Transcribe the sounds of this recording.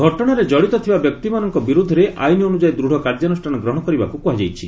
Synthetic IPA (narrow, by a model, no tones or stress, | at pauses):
ɡʱɔʈɔɽ̃aɾed͡ʒɔɽit̪ɔt̪ʰibabjɔk̚t̪imanɔŋkɔbiɾud̪ʱːɔɾeʔa̰jniɔnud͡ʒajd̪ɾuɽ̤ʱɔkaɾd͡ʒanusʈʰanɔɡɾɔɦɽ̃ɔkɔɾibakukuɦad͡ʒajt͡ʃʰi